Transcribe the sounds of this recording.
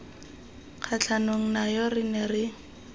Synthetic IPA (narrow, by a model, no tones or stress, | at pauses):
k͡xʰat͡ɬʰanoŋ̩najɔrɪnɛrɪ